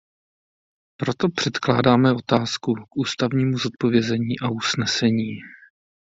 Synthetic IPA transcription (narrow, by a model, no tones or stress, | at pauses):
pɾo̞t̪o̞pr̝̥ɛt̪kla̰ːdaːmɛo̞t̪aːskukʔuːst̪avɲiːmuzot̪̚po̞vjɛzɛɲiːʔaʔusnɛsɛɲiː